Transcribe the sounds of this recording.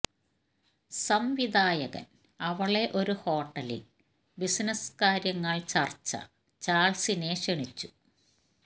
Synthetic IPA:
sɐmʋid̪ʱaːjɐɣɐ̰n | ɐʋɐɭe̞ʔo̞ɾuho̞ːʈːɐlḭl | bisnɐskaːɾjɐŋːɐɭt͡ɕɐrt͡ɕːɐ̰ | t͡ɕaːɭsineːʂeɳit͡ɕːu̥

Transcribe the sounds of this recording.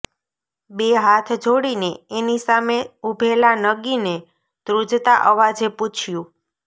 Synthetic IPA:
beɦat̪ʰd͡ʒʱoɽineenisameubʱelanəɡine | t̪ɾud͡ʒt̪aʔəʋad͡ʒeput͡ʃʰjũ

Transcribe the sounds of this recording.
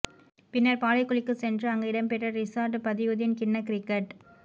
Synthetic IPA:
pɪnːɐɾpaːlɐɪkːʊɭɪkːɯsɛndrɯɐŋɡɐɪɽɐmpɛʈrɐɾɪsɐɾʈpɐðɪʋɯðɪnkɪnːɐkɪɾɪkːɐʈ

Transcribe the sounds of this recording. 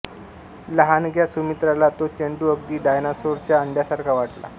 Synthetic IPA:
ləɦanɡʱjasumit̪ɾalat̪ot͡ɕəɳɖuəɡd̪iːɖajnasoɾt͡ɕjaəɳɖjasaɾkʰaʋaʈla̰

